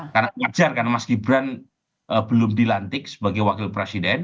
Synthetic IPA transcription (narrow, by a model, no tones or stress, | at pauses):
karnamad͡ʒarkanamaskibɾan | ʔəbəlʊmdilant̪ɪk̚sə̥baɡajwakɪlpɾesidɛn